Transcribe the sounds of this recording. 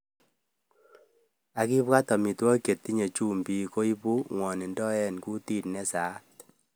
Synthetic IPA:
a˨ki˦bwa˦tɔ˨mi˨twɔ˦ke˨t̪i˦ɲe˨t͡ʃu˦mbi˨ko˦i˦pu˦ŋwɔ˨nɪ˨ndɔ˦ɛ˦nku˦ti˦tnɛ˦sa˨˦t

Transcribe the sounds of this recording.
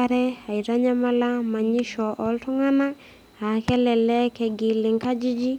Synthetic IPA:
aɾɛ˦a˨i˨ɾa˦ɲa˦ma˦la˦ma˨ɲi˦ʃɔ˨ʔɔ˨ltɔ˦ŋa˦na˦ | a˨kɛ˦lɛ˨lɛ˦kɛ˨ɡi˨lɪ˨ŋka˦d͡ʒi˦d͡ʒi˦

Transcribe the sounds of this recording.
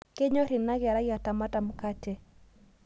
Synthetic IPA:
ke˦ɲo˦ɾɪ˨na˦ɡa˨ɾa˦ɡja˨ta˨ma˦ta˨m̩ka˦tɛ˦

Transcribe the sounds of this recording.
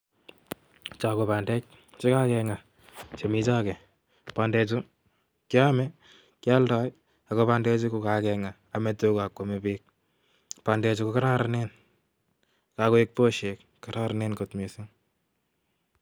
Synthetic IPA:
t͡ʃa˨ko˨pandɛ˦k | t͡ʃi˦ka˦kɛŋa˨ | t͡ʃe˨mi˦t͡ʃa˦kɛ˨ | pa˨ndɛ˧t͡ʃu | kja˦mɛ˦ | kja˦lda˦j | a˨kopa˦ndɛ˦t͡ʃu˦ku˨ka˨kɛŋaː˨me˨toka˨kwomepiːk̚ | pa˨ndɛ˧t͡ʃu˦koka˦ɾa˦ɾane˦n | kako˦k̚po˦ʃek | ka˨ɾa˦ɾane˦nkotmisi˦ŋ

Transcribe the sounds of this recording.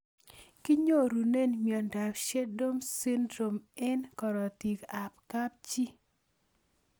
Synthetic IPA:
ki˦ɲo˦ɾu˨ne˦nmjɔ˨nda˨pʃe˦do˦msɪ˦ndɾo˨mɛ˦nkɔ˨ɾɔ˨ti˨ka˨p̚ka˦p̚t͡ʃi˦

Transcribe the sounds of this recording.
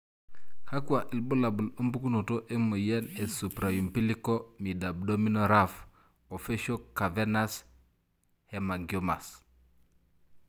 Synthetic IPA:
ha˦ku˦a˨ʔi˨lbu˦la˨bu˨lu˦mbu˦ku˦no˨to˦ʔe˦mə˨je˦ne˨su˨pɾa˨ju˨mpi˦li˦ko˦mi˨da˨bdo˦mi˦no˨ɾaf | o˨fe˦ʃo˦ka˨venas | he˨ma˨ɡi˨oma̰˨s

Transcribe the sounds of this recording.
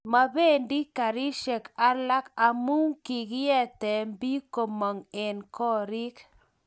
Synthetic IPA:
ma˨be˦˨ndi˦ka˨ɾi˦ʃɛ˨ka˦la˦ka˨mu˦ŋki˨ɡjɛ˦t̪ɛ˨mbi˦ko˨mɔ˨ŋɛ˨nkɔ˦ɾi˦k

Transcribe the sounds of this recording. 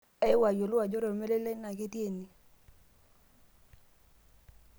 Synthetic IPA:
ɛ˦wa˨jo˨lʊ˦a˨d͡ʒɔ˦ɾɔ˨me˦le˦le˦na˨ɡe˦tje˦˨ni˨

